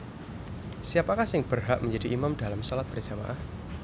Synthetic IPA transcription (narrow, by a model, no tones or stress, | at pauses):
siapakahsɪŋb̥ərɦa̰ʔməɲd͡ʒadiʔimamdalamsɔlat̪̚bərd͡ʒama̰ʔa